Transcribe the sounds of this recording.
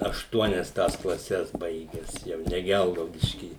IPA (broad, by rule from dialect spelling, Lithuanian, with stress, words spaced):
ɐʃˈtuɔnʲɛs tɐs klˠɐˈsʲɛs ˈbɐɪɡʲɛs ˈjɛʊ nʲɛ ˈɡʲɛlˠɡɐʊdʲɪʃʲkʲiː